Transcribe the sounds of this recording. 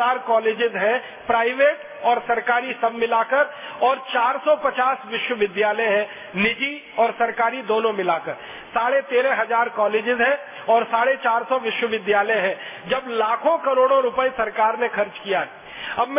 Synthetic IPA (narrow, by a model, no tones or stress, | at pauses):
aːɾkɔːleːd͡ʒɪzɦɛ̃ | pɾaːɪʋeːʈ | ɔːɾsɐɾkaːɾisɐbmɪlaːkəɾ | ɔːɾt͡ʃaːɾsɔpɐt͡ʃaːsʋɪʃwəʋɪd̪jaːləɦɛ̃ | nɪd͡ʒi | ɔːɾsɐɾkaːɾid̪oːnõmɪlaːkəɾ | saːɽet̪eːɾɛɦɐzaːɾkɔːleːd͡ʒɪzɦɛ̃ | ɔːɾsaːɽet͡ʃaːɾsɔʋɪʃwəʋɪd̪jaːləɦɛ̃ | d͡ʒɐblaːkʰõkɐɾoːɽ̃õɾʊpəisɐɾkaːɾnexɐɾt͡ʃkijaɦɛ | ɐbm